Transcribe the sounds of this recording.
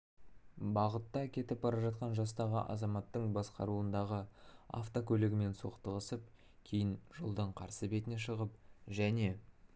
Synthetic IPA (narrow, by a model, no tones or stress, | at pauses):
bɑʁət̪ːɑkʲʰe̞t̪ɪp̚bɑɾɑʒɑt̪̚qɑnʒɑst̪ɑʁəʔɑ̰zɑmɑt̪ːəɴbɑsqɑ̰ɾuənd̪ɑʁəa̰ft̪okʲʰɵleɡʲɪme̞nso̞̰qt̪əʁəsəp̚ | kʲʰe̞jɪnʒ̥olˠd̪əɴqʰɑɾsəbe̞t̪ɪne̞ʃəʁəp̚ʒæne̞